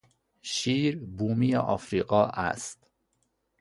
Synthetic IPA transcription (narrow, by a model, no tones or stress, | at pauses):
ʃiːɾbuːmijeʔɒ̰ːfɾiːɢɒːʔæ̰st̪